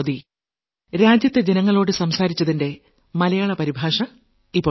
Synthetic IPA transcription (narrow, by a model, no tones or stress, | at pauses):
ði | ɾaːd͡ʑjɐt̪ːed͡ʑe̞nɐŋːɐɭo̞ːɽɨsɐmsaːɾit͡ɕːɐðinde̞ | mɐlɐjaːɭɐpɐɾibʱaːʂɐ | ipːoː